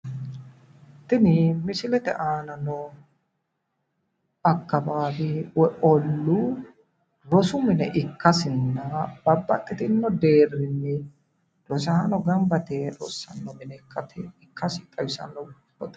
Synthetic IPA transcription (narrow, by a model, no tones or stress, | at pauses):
t̪ːɪnɪmɪsɪlɛt̪ɛ̰ʔaːnɐnɔ | ɐkːɐbaːbɪwɛʔɔlːu | ɾɔsʊmɪnɛʔɪkːɐsɪnːɐbɐbːɐ̰t̪ʼːɪt̪ɪnːɔd̪eːrːɪnːɛ | ɾɔsɐhɐnɔɡɐmbɐt̪ɛɾɔ̰sːɐnːɔmɪnɛkːɐt̪ɛɪkːɐsɪt̪ʼɐwɪsɐ̰nːɔ | ɔt̪